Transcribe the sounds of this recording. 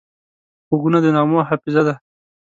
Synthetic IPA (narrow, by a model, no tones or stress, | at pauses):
xoɡunad̪ənɑmoɦafɪzad̪a